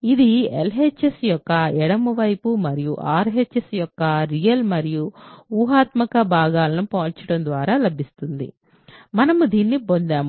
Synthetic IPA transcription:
id̪ielɦet͡ʃːesjɔkːɐɛɽɐmuʋɐjpumɐɾijuʔaːɾɦet͡ʃːesjɔkːɐɾijɐlmɐɾijuuːɦaːt̪mɐkɐbʱaːɡaːlɐnupaːlt͡ʃɐɽɐnd̪ʋaːɾaːlɐbʱist̪und̪ḭ | mɐnɐmud̪iːnːipond̪aːm

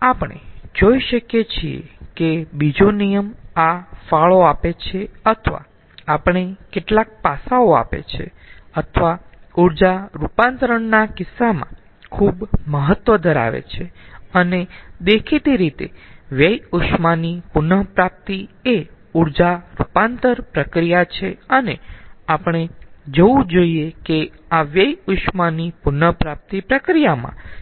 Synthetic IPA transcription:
apɳ̃ḛd͡ʒoiʃəkjet͡ʃʰiḛkebid͡ʒonijəmafaɭoapet͡ʃʰeət̪ʰʋa̰ː | pəɳ̃ekeʈlak̚pasaoa̰pḛt͡ʃʰḛ | ət̪ʰʋauɾd͡ʒaɾupãnt̪ɾəɳnakɪsːamã̰ | kʰubməɦət̪ʋəd̪ʱəɾa̰ʋḛt͡ʃʰeəned̪ekʰit̪iɾit̪ḛʋjəjʊʃmanipʊnəpɾap̚t̪ie | uɾd͡ʒaɾupant̪əɾpɾəkɾijat͡ʃʰeəneapɳ̃ed͡ʒəʋũd͡ʒoiekeaʋjəjʊʃmanipʊnəpɾap̚t̪ipɾəkɾijamã̰

